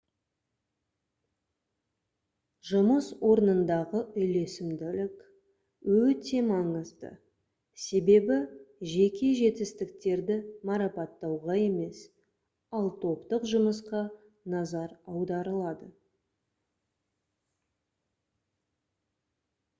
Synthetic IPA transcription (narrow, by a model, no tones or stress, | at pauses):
ʒʊməswo̞ɾnənd̪ɑʁəʔʏjle̞sɪmd̪ɪlɪkʲ | wɵt̪e̞mɑɴəzd̪ə̰ | se̞be̞bɪʒe̞kʲe̞ʒe̞t̪ɪst̪ɪk̚t̪e̞ɾd̪ɪmɑɾɑpɑt̪ːɑwʁɑe̞me̞s | ɑlˠt̪ʰo̞pt̪əqʒʊməsqɑ | nɑzɑɾɑwd̪ɑɾəlˠɑd̪ə